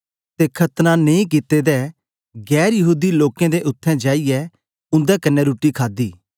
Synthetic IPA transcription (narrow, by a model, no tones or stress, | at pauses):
t̪ekʰɐt̪nanẽĩk̬ɪt̪ːed̪ɛ | ɡɛːɾjɐɦuːd̪iloːkẽd̪eʔʊt̪ʰːɛ̃d͡ʒaːijɛ | ʊ̃nd̪ɛkɐnɛɾuːʈːikʰaːd̪iː